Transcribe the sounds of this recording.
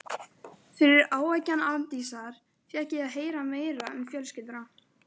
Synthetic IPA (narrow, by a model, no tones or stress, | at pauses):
fɪɾɪɾaːwajcːanant̪isaɾ̥ | fjɛhcɪaðɦeːjɾameːjɾaʏmfjœlscɪlt̪ɾa